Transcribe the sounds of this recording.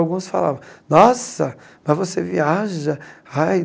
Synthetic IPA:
wɡũsfa̰la̰vɐ̃nɔsɐ | mɐzvoseviaʒɐaj

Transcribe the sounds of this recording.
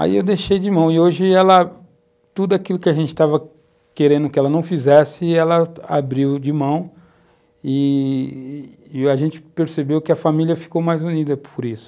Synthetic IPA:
a̰iewd̪eʃejd͡ʒɪmɐ̃w̃ɪoʒɪɛlɐ | t̪ud̪ʊakilʊkɪaʒẽnt͡ʃɪ̥t̪avɐ | keɾẽnd̪ʊkɪɛlɐnɐ̃w̃fizɛsɪɛlɐa̰bɾiwd͡ʒɪmɐ̃w̃ | ɪ | aʒẽnt͡ʃɪ̥peɾsebewkɪɐfamiliɐfi̥kowmajzunid̪ɐpʰʊɾisʊ̥

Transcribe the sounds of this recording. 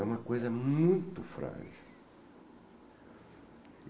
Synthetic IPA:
ũmɐkojzɐmũj̃t̪ʊfɾa̰ʒɪ

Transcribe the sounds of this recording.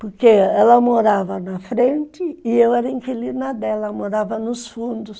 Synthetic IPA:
poɾkeɛlɐmoɾavɐnɐfɾẽnt͡ʃɪːewɛɾɐĩkilinɐd̪ɛlɐmoɾavɐnʊsfũnd̪ʊs

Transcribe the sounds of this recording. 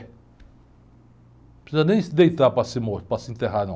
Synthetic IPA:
psizɐnẽj̃sɪd̪ejt̪apɾɐsɪmoʃt̪pɾɐsɪẽt̪eɦanɐ̃

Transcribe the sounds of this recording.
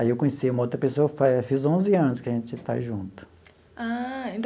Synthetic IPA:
aiewkõɲesijũmɐot̪ɾɐpesoɐfaɛfizõzɪɐ̃nʊskɪɐʒẽt͡ʃɪt̪a̰ʒũnt̪ʊ̥ | aẽt̪

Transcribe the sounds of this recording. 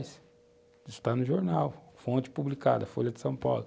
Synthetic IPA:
s | ɪst̪anʊʒoɾnawfõt͡ʃɪ̥publika̰d̪ɐfoʎɐd͡ʒɪsɐ̃w̃pawlʊ

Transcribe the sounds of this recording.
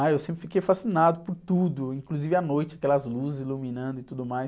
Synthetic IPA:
aewsẽpɾɪfikejfasinad̪ʊpʊɾt̪ud̪ʊĩŋkluzivɪanojt͡ʃɪakɛlɐzluzzilumĩnɐ̃nd̪ʊɪt̪ud̪ʊmaj

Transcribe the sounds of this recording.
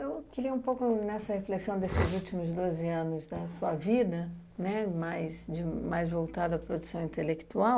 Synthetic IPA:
ewkɪɾiɐũpowkʊnɛsɐhefleksɐ̃w̃d̪esɪzut͡ʃimʊzd̪ozɪɐ̃nʊzd̪ɐsuɐvid̪ɐ | nɛmajsd͡ʒɪmajzvowt̪ad̪ʊɐpɾod̪usɐ̃w̃ĩnt̪elekt̪uaw

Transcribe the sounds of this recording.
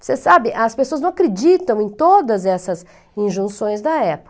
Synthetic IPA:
sesabɪʔɐspesoɐznɐ̃w̃akɾed͡ʒit̪ɐ̃w̃ẽj̃t̪od̪ɐzɛsɐz | ĩʒũsõj̃zd̪ɐɛpo̥

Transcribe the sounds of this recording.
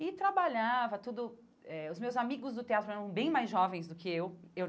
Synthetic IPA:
ɪt̪ɾabaʎavɐt̪ud̪ʊ | ɛʊzmewzamiɡʊzd̪ʊt̪eat̪ɾʊɛɾɐ̃w̃bẽj̃majzʒɔvẽj̃zd̪ʊkɪewew

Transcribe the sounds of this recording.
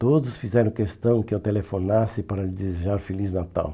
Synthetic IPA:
t̪od̪ʊsfizɛɾɐ̃w̃kest̪ɐ̃w̃kɪʊt̪elefonasɪpaɾɐlɪd̪ezeʒaɾfeliznat̪a̰w

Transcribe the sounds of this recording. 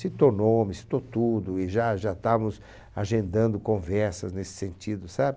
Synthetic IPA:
sɪt̪onõmɪsɪ̥t̪ot̪ud̪ʊɪʒaʒat̪amʊs | a̰ʒẽnd̪ɐ̃nd̪ʊkõvɛɾsɐznesɪ̥sẽnt͡ʃid̪ʊsabɪ

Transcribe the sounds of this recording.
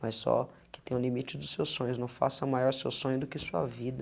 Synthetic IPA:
majssɔ̰ | kɪ̥t̪ẽj̃ʊ̃limit͡ʃɪd̪ʊsewsõɲʊznɐ̃w̃fa̰sɐmajɔɾsewsõɲʊd̪ʊkɪsuɐ̰vid̪ɐ

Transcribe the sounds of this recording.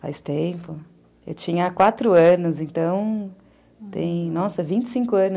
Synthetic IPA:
fa̰jst̪ẽpʊ | ḛwt͡ʃĩɲɐakwat̪ɾʊɐ̃nʊzẽnt̪ɐ̃w̃ | t̪ḛ̃j̃nɔsɐvĩt͡ʃɪ̥sĩŋkʊɐ̃nʊ

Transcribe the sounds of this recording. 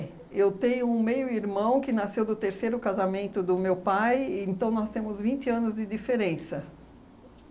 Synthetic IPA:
ewt̪ẽɲʊũmejʊiɾmɐ̃w̃kɪnasewd̪ʊt̪eɾsejɾʊkazamẽnt̪ʊd̪ʊmewpajẽnt̪ɐ̃w̃nɔst̪ẽmʊzvĩnt̪ɪɐ̃nʊzd̪ɪd̪ifeɾẽsɐ

